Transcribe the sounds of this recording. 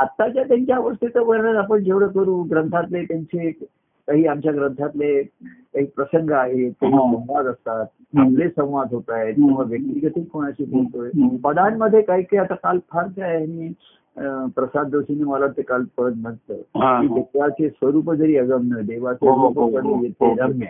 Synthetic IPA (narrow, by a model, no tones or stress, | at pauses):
at̪ːat͡ɕjat̪jaɲt͡ɕjaːʋəst̪ʰit̪əbəɾɳaɾapəɳd͡ʑeʋɽəkəɾuːɡɾənt̪ʰat̪let̪jaɲt͡se | kaɦiːamt͡ɕjaɡɾənt̪ʰat̪le | kaɦiːpɾəsəŋɡəaɦet̪̚t̪aɦisə̃w̃ʋad̪əst̪at̪̚ | amlesə̃w̃ʋad̪ɦot̪ajt̪ẽʋaʋjək̚t̪iɡət̪ilkʰoɽ̃aɕiːbolt̪ojbəd̪anməd̪ʱːjekaɦiːkajat̪akalpʰaɾd͡zajaɽ̃iː | pɾəsad̪ːesineməlaʋt̪ekalpəɾəd̪m̤ənt̪əːkiːd̪et̪jat͡sesʋəɾuːpəd͡zəɾiːəɡəmnəd̪eʋat͡seupəkəɾəijet̪eɾəmjə